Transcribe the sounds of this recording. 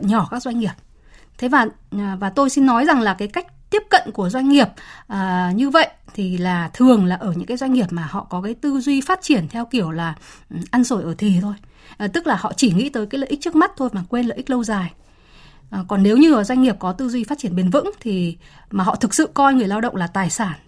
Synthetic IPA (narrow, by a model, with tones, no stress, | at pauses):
ɲɔ˧˩kaː˦˥k̚zwa˧jŋŋi˨˩əp̚ | t̪ʰe˨˦vaː˨˩˨ | vaː˨˩t̪o˧jsi˧nːɔ˨˦jza˨˩ŋlaː˨˩kaː˨˦jka˦˥jk̚t̪i˦˥əp̚kə̰˧˨nku˧˩əzwa˧jŋ̟ŋi˨˩əp̚ʔəː˨˩ɲɨ˧və̰˧˨jʔt̪ʰi˨˩laː˨˩t̪ʰɨ˨˩əŋlaː˨˩ʔəː˧˩ɲɨ̰˧˥ŋkːaː˨˦zwa˧jŋ̟ŋi˨˩əp̚maː˨˩hɔ̰˧˨kɔ˨˦kaː˨˦jt̪ɨ˧zwi˧faː˦˥t̚t͡ɕi˧˩ənt̪ʰɛ˧wki˧˩əwlaː˨˩˨ʔa˧nso˧˩jʔəː˧˩t̪ʰi˨˩t̪ʰo˧j | t̪ɨ˦˥k̚laː˨˩hɔ̰˧˨t͡ɕi˧˩ŋḭ˧˥t̪əː˨˦jkaː˨˦ləː˧˨ʔk̚t͡ɕɨ˦˥k̚ma˦˥t̚t̪ʰo˧jmaː˨˩kwe˧nlə̰ː˧˨ʔi̟˦˥lə˧wzaː˨˩j | ʔkɔ˨˩nne˨˦wɲɨ˧˨˩zwa˧jŋ̟ŋi˨˩əp̚kɔ˨˦t̪ɨ˧zwi˧faː˦˥t̚t͡ɕi˧˩ənɓe˧˩nvɨ̰˧˥ŋt̪ʰi˨˩ | maː˨˩ɦɔ̰˧˨t̪ʰɨ˨˩k̚sɨ̰˧˨kɔ˧jŋɨ˨˩əjlaː˧wɗə̰˧˨wŋ͡mlaː˨˩t̪aː˨˩jsaː˧˩n